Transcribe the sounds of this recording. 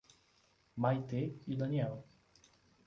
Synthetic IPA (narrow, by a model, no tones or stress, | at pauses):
majt̪eid̪ɐniɛl